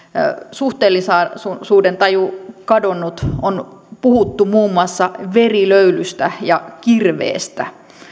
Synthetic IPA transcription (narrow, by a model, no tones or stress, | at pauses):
suht̪eːlːˑisɑːsusuːdent̪ɑjukɑdonːut̪onpuhut̪ːumuːmːuɑsːɑʋeriløylyst̪æjɑkirʋḛːst̪æ̰